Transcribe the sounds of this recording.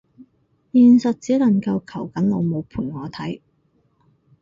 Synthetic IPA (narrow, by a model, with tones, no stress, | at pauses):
jiː˨˧nsɐ˨t̚t͡siː˨˥lɐ˨˩ŋkɐ˧wkʰɐ˨˩wkɐ˨˥nlo˨˧wmo˨˧wpʰuː˨˩nŋɔː˨˧t̪ʰɐ˨˥j